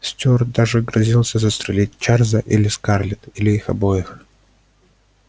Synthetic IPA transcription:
sʲtʲord̪aʐɨɡɾɐzʲilˠsʲəzəst̪ɾʲɪlʲit̚ʲt͡ɕarzəʔilʲɪskarlʲɪt̪ilʲɪixɐ̰bojɪx

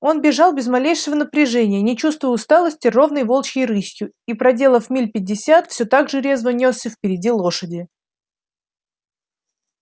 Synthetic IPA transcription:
o̞nbʲɪʐɑlˠbʲɪzmɐlʲejʂəvənəpɾʲɪʐɛnʲɪjənʲɪt͡ɕust̪vʊjʊst̪alˠəsʲtʲɪro̞vnəjvo̞lˠt͡ɕɪɾɨsʲjʊ | ipɾɐdʲe̞lˠəfmʲilʲpʲɪdʲːɪsʲat̪fsʲot̪aɡʐɨɾʲe̞zvənʲosʲəfpʲɪɾʲɪdʲilˠo̞ʂədʲɪ

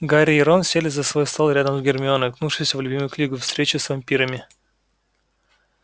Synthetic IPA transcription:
ɡaɾʲɪɪɾonsʲelʲɪzəsvo̞jst̪alˠɾʲad̪əmzɡʲɪrmʲɪonəvʲɪknufʂɨjsʲəvlʲʊbʲimʊjʊklʲiɡʊfst̪ɾʲet͡ɕʊsvɐmʲpʲiɾəmʲɪ

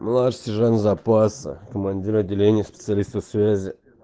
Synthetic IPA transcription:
mlˠaʂst̪ʲɪʐanʲzapasə̰kəmanʲdʲiɾɐdʲːɪlʲenʲɪjəspʲɪ̥t̪sɨalʲist̪əfsvʲæzʲɪ

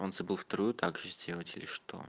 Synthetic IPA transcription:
onzɐbɨlˠft̪ɐɾujʊt̪ʰaɡʐɨzʲdʲelˠətʲɪlʲɪʂt̪ʰo̰

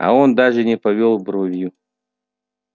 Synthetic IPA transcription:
a̰ond̪aʐɨnʲɪpɐvʲolˠbɾovʲju

